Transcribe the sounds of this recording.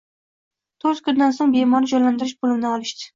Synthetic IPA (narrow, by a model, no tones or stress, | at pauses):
t̪ʰoɾzkʰʲʊɾd̪ansoŋbemɒɾɪd͡ʒɒjland̪ɪɾɪʃbolˠɪmnɪɒlˠɪʃd̪ɪ̥